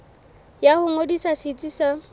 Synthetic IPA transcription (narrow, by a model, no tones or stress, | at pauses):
jahʊŋodisasɪt͡sʼisa